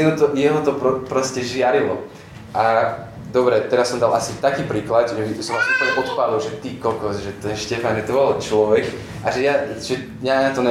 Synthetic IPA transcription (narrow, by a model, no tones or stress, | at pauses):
ɛnɔt̪ɔjɛɦɔt̪ɔpɾɔpɾɔscɛʒɪaɾilɔ | ʔa | d̪ɔbɾɛt̪ɛɾasːɔmd̪alʔasit̪akiːpɾiːklad̪ʒɛisɔmasupl̩ɲɛpɔt̪palilʒɛt̪ikɔkɔzʒɛt̪ɛnʃcɛfanʒɛt̪ɔbɔlt͡ʃlɔʋɛk | ʔaʒɛjaʒɛ | jaɲat̪ɔnɛ